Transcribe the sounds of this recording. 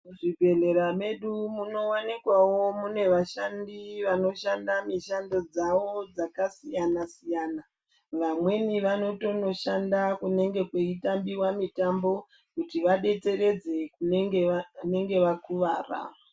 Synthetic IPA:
ʐibʱe̞ɮe̞ɾame̞ɗumuno̞wanikwawo̞mune̞ʋaʃandiʋano̞ʃandamiʃando̞d͡zawod͡zakasijanasijana | ʋamwe̞niʋano̞to̞no̞ʃandakune̞ŋɡe̞kweitambiwamitambo̞ | kutiʋaɗe̞t͡se̞ɾe̞d͡ze̞kunŋne̞ŋɡe̞ʋakuʋaːra̰ːa

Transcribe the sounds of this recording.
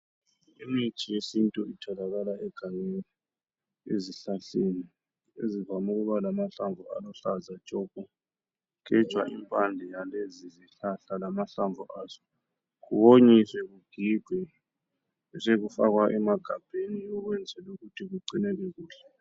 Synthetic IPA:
imit͡ʃʼijesintʼuitʰɔlaɣalaɛɡ̥ʱaŋɛli | eziɬaɬeni | ḛzivamuɣuβalamaɬaɱvʱua̰lɔɬazḁt͡ʃʼɔb̥ʱʼɔ | kɛ̥t͡ʃʼwa̰impʼand͡ɮʱɛjaleziziɬaɬalamaɬaɱvʱuʔaːzɔ̥ | ɣuβoɲiswɛɣuɡ̥ʱiɡ̥ʱwɛ | seɣufaɣwaʔɛmaɡ̥ʱab̥ʱeniɔɣwɛnd͡zʱɛluɣutʰiɣuǀinɛlɛɣuːɬɛ

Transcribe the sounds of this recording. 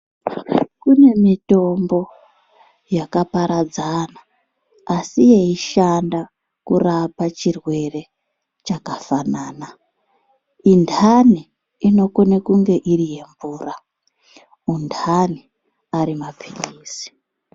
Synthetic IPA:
kune̞mito̞mbo̞ | jakapaɾad͡zanaː | sije̞iʃanda | kurapat͡ʃirwe̞re̞ | t͡ʃakafanaːna | indʰʱani | ino̞konekuŋɡe̞ʔirije̞ɱvuːra | undʰani | aɾimab͡vʱiniːsi̥

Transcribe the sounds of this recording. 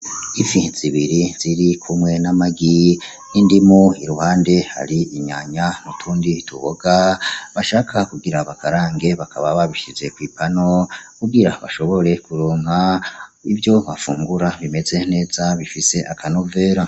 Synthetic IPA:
ifiz̥iβiɾiz̥iɾikʰumŋe̞namaɡi | nindimoiɾuhaːnde̞ha̰ɾiiɲa̰ɲamutʰuːndituβo̞ɡ̥aβaʃaːkʰakuɡiɾaβakaɾaːŋɡe̞βakʰaβaβaβiʃize̞kwiːpano̞kuɡiɾaβaʃo̞βo̞ɾe̞kuɾoːŋ̥ɦaivjo̞βafuːŋɡuɾaβime̞ze̞ne̞ːz̥aβifise̞ʔakʰanove̞ːɾa

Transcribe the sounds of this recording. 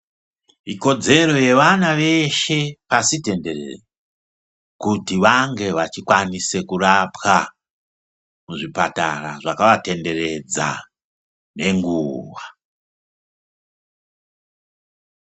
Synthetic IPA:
iko̞d͡ze̞ɾo̞je̞ʋanaʋe̞ʃe̞pasite̞nde̞rḛr | kutiʋaŋɡe̞ʋat͡ʃikwanise̞kurapxa | muʐipata̰raʐakaʋate̞nde̞ɾe̞d͡za̰ | ne̞ŋɡuʋa

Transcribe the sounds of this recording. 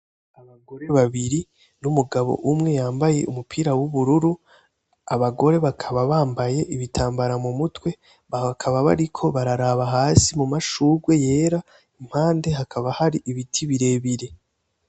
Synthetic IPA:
aβaɡo̞ɾe̞βaβiɾi | numuɡaβo̞̰ʔumŋe̞jaːmbaje̞̰ʔumupʰiɾawuβuɾuɾu | aβaɡo̞ɾe̞βakʰaβaβaːmbaje̞ʔiβitʰaːmbaɾamumutwe̞ | βakʰaβaβa̰ɾikʰo̞βaɾaɾaβaɦaːsimumaʃuːɡwe̞je̞ːɾa | im̥haːnde̞ɦakʰaβahaɾiʔiβitʰiβiɾe̞ːβiɾe̞

